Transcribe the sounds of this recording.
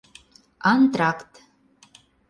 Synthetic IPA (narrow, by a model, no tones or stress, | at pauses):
ant̪ɾɑkt̪